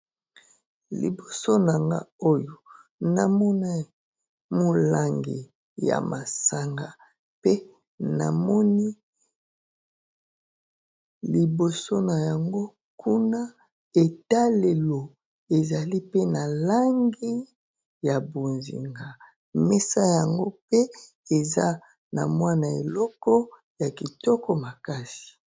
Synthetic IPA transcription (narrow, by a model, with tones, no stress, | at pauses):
lḭ˨bo˨so˦na˨ŋɡa̰˦o˦jo˨ | na˨mɔ˦na˦ | mo˨la˦ŋɡḭ˨ | ja̰˨ma˨sa˨ŋɡa˨ | pe˦ | na̰˨mɔ˦ni˦ | li˨bo˨so˦na˨ja˨ŋɡo˦ | kʰu˦na˦ | e˨ta˦le˨lo˨ | e˨za˨li˦pe˦na˨la˦ŋɡi˦ | ja˨bo˨nzḭ˨ŋɡa˨ | mɛ˦sa˦ja˨ŋɡo˦pe˦ | e˨za̰˦ | na̰˨mwa˦na˨ḛ˨lɔ˦kɔ˦ | ja˨ki˨tɔ˦kɔ˦ma˨ka˦si̥˨